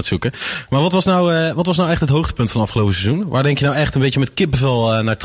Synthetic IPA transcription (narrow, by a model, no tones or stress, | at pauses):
tsukəmaːɹʋɑtʋɑsnawʋɑtʋɑs̬nawɛχtɦətɦowχtə̥pɵntfɔnəɑfχəlowpəsezunʋʔaːɹdɛŋkjənawɛχtənbejjəmɛtkɪp̚bəvɛlˠənaːɹt